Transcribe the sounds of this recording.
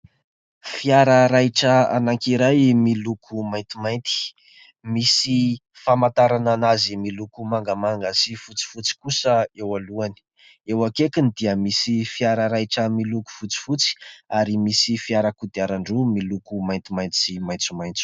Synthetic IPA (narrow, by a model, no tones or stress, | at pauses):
fiaɾəɾajʈ͡ʂəa̰naŋkiɾajmilukʰumajnt̪imajnt̪i̥ | misi | famant̪aɾananazimilukumaŋɡamaŋɡəsifut͡si̥fut͡si̥kusəewaluani̥ | ewakekinid̪iəmisifiaɾəɾajʈ͡ʂəmiluku̥fut͡si̥fut͡si̥aɾimisifiaɾəkud̪iaɾaɳɖ͡ʐumilukumajnt̪imajnt̪simajnt͡sumajnt͡su̥